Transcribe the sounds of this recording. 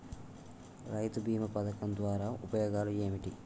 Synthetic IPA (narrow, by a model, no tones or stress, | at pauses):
ɾɐjt̪ubʱiːmɐpɐd̪ɐkɐmd̪ʋaːɾaːʔupɐjɔːɡaːlue̞ːmiʈi